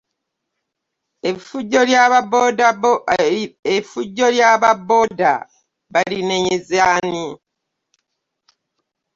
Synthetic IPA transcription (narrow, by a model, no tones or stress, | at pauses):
efuɟola | efuɟːoljaːβabo̞ːda̰ | βalineɲezani